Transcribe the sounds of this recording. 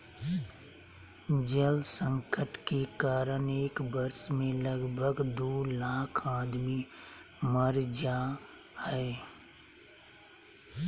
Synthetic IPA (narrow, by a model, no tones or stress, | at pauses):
d͡ʒəlsə̃ŋkəʈkekaːɾəneːkbəɾsmẽləɡbʱəɡd̪oːlaːkʰaːd̪mi | məɾd͡ʒa | hɛː